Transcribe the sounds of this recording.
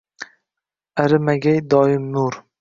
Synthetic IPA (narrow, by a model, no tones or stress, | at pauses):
aɾɪmaɡʲajd̪ɒːɪmnuɾ